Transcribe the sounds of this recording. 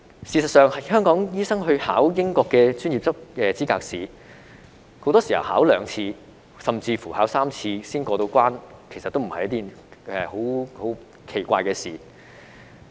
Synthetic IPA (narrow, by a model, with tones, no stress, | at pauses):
siː˨˧sɐ˨t̚sœː˨ŋhɐ˨jhœː˥ŋkɔː˨˥ŋjiː˥sɐ˥ŋɦɵ˧ɥha̰ː˨˥wjɪ˥ŋkɔː˧kːɛː˧t͡ʃyː˥njiː˨p̚t͡sɐ˥p̚ɛː˨t͡siː˥kaː˧k̚siː˨˩ | ho˨˥wt̪ɔː˥siː˨˩ɐ̰˨˩wha̰ː˨˥wlœː˨˧ŋt͡sʰiː˧ | sɐ˨mt͡siː˧fuː˨˩haː˨˥wsaː˥mt͡sʰiː˧siː˥nkɔː˧t̪o˧wkʷaː˥nkʰe˨˩sɐ˨t̪ːo˥m̩˨˩hɐ˨jɐ˥t̪i˥˧nɛː˨ho˨˥who˨˥w | kʰe˨˩jkʷa̰ː˧jkɛː˧sḭː˨˩